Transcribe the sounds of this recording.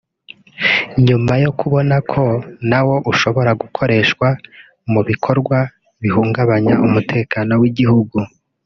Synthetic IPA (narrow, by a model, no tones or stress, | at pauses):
ɲumajo̞kuβo̞nakʰo̞nawo̞ʔuʃo̞βo̞ɾaɡukʰo̞ɾe̞ʃkwa | muβikʰo̞ɾɡwa | βihuːŋɡaβaɲaʔumutʰe̞ːkaːno̞wiɟiɦuɡu